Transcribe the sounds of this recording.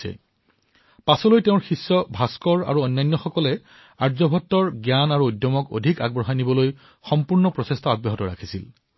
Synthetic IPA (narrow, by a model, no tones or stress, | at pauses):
ɛ̰ | pasɔlojteʊ̃ɹxisːɔbʱaskɔɹa̰ɹuɔnːajnːɔxɔkɔlɛ | aɹzɔbʱɔtːɔɹɡjanaɹuojdjɔmɔko̰dʱika̰ɡbɹɔɦanibɔloj | xɔmpuɹnɔpɹɔsestʰɔabɔɦɔtɔɹa̰kʰi̥sḭl